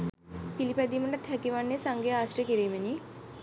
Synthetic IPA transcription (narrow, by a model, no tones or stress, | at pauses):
pilipæd̪iːməʈat̪ɦækiʋanːesaŋɡejaːsʈəkiɾiːməni